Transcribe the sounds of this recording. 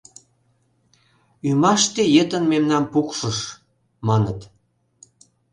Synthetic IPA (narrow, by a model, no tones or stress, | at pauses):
ymɑʃt̪ejet̪ənmemnɑnpukʃəʃ | mɑnət̪